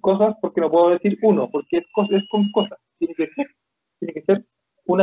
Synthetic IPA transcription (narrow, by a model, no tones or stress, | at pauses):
ko̞s̬aspoɾkeno̞pweðoðeθiɾunopoɾkeeskoseskoŋko̞sast̪jenekeke | t̪jenekeseɾ | una